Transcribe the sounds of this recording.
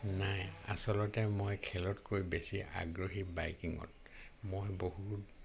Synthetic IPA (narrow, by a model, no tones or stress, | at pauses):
naja̰sɔlɔtɛmojkʰɛlɔtkojbesiʔa̰ɡɹoɦibajkiŋɔ̰t̚ | mojboɦut